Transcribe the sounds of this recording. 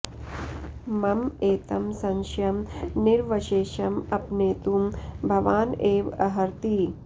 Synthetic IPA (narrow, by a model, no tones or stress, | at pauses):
mɐmeːt̪ɐmsɐŋʃjɐmniɾʋɐʃeːʃɐmɐpneːt̪umbʱɐʋaːneːʋɐɦɐɾt̪i